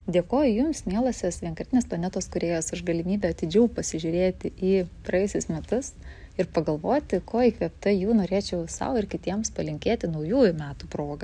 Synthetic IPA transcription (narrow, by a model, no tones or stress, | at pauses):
d̪ʲeːkoːjʊjʊmsmʲiɛlˠɐsʲesʋʲiɛŋkɐɾʲt̪ʲɪneːsplˠɐnʲɛt̪oːskʊɾʲeːjoːsʊʃɡɐlʲɪmʲiːbʲɛɐt̪ʲɪd͡ʒʲɛʊpɐsʲɪʒʲʊɾʲeːt̪ʲɪʔiːpɾɐjɛsʲɪsmʲɛt̪ʊsɪɾpɐɡɐlˠʋoːt̪ʲɪkoːiːkʋʲɛpt̪ɐjuːnoːɾʲeːt͡ʃʲɛʊsɐ̰ʊɪɾkʲɪt̪ʲiɛmspɐlʲɪŋʲkʲeːt̪ʲɪnɐʊjuːjʊmʲæːt̪upɾoːɡɐ